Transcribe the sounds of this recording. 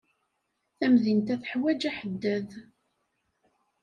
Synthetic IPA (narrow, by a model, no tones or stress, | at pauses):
θæmðint̪æθə̥ħwæd͡ʒæħəd̪ːæð